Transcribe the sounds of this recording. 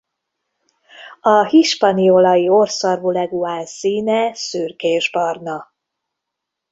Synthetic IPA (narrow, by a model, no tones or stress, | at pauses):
ɒhiʃpɒniolɒjiorsɒrvulɛɡuaːlsiːnɛsyrkeːʒbɒrnɒ